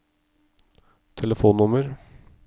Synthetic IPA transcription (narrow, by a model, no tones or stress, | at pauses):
t̪ʰɛləfuːnːʊməɾ